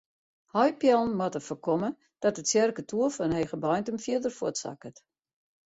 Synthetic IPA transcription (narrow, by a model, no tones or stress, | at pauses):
hɔjpjɛlˠn̩mɔtəfəkɔmə | d̥ɔtətsjɛrkətʰuəfɔənhɛjɣəbɔjntəmfiədərfuətsa̰kət